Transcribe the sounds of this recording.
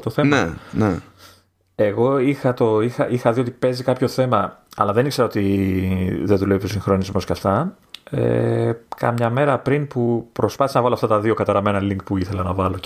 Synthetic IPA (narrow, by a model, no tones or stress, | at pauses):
t̪oθemnene | eɣo̞ixɐt̪o̞ixɐʔixɐðio̞t̪ipe̞zikɐpço̞θe̞mɐɐ̰lɐðe̞nikse̞ɾɐo̞t̪i | ðenðulevipʰçosiŋxɾo̞nizmo̞scɐft̪ɐ | ḛkɐ̰mɲɐme̞ɾɐpɾinpupɾo̞spɐθisenɐvɐloɐft̪ɐt̪ɐðio̞kɐt̪ɐɾɐme̞nɐliŋkpuiθe̞lɐnɐvɐlo̞